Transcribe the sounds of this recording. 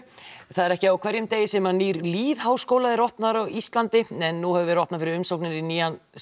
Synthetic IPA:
θaðɛɾɛhcɪawkʰv̥ɛɾjʏmt̪eːjɪsɛmaniːɾliːðhaːwskoːwlaðɪɾɔhpnaɾawist̪lant̪ɪɛnːuhɛvʏvɛɾɪɔhpnafɪɾɪɾʏmsowknɪɾiniːjan

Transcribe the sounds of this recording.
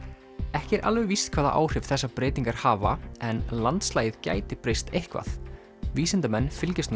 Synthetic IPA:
ɛhcɪɛɾʔa̰lvʏvist̪kʰvaːða̰ʔa̰ːwr̥ɪv̥θɛsːapɾeːjt̪iŋkaɾ̥haːva̰ɛnlant̪slaːjɪðca̰ːjt̪ɪpɾejst̪ʰejhkva̰θ | viːsɪnt̪amɛnːfɪlcɪst̪n

